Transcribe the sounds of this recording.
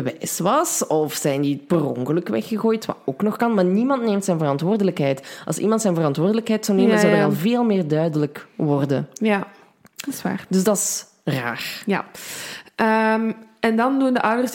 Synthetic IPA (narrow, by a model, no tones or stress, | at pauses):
əʋɛjsʋɑsɔfsɛjndiəbərɔ̰ŋkələkʋɛ̰xəɣoːjtʋa̰oːknɔxkɑnmaːrnimɑntneːmtsɛjnvərɑntʋʊːrdələkɦɛjtʔɑ̰lˠsḭmɑntsɛjnvərɑntʋʊːrdələkɦɛjtsɔwneːmənzɑwdəɾɑlˠveːlˠmɪːrdœɥdələkʋɔrdə̰njḁ | sʋa̰ːrdɵzdɑs | ra̰ːrja | ʔəmɛndɑndundəʔʌwdərs